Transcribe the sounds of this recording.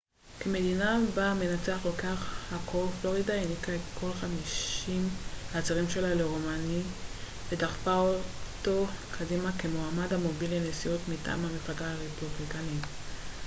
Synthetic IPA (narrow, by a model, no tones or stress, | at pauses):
keme̞dinabame̞nat͡se̞aχkolkeaχhakʰoflo̞ʁidainikaetkʰo̞lχamiʃimhat͡saʁimʃe̞laleʁomani | vedaχfaoto̞kʰadimakemoamadhamo̞bilenesiutmita̰ːmhameflaɡaaʁepublikani